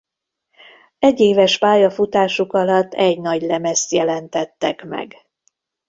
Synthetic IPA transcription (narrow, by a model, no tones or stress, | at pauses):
ɛɟːeːvɛʃpaːjɒfut̪aːʃukɒlɒt̪ːɛɟnɒɟlɛmɛst̪jɛlɛnt̪ɛt̪ːɛkmɛ̰ɡ